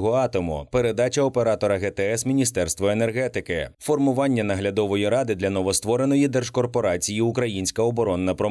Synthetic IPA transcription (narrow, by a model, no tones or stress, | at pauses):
ɦɔɑt̪ɔmʊ̰pe̞ɾe̞d̪ɑt͡ʃɐɔpe̞ɾɑt̪ɔɾɐɣɛt̪ɛɛsmʲinʲist̪ɛrst̪ʋɔenerɦɛt̪ɪkɪfɔrmʊʋɑnʲːɐnɐɦlʲɐd̪ɔʋɔjiɾɑd̪ɪd̪lʲɐnɔʋɔst̪ʋɔɾe̞nɔjid̪ɛrʒkɔrpɔɾɑt͡sʲijiukɾɐjinʲsʲkɐɔbɔɾɔnːɐpɾɔ